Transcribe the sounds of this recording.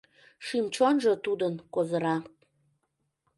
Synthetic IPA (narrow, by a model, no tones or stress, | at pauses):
ʃimt͡ɕonʒət̪ud̪ənkozəɾɑ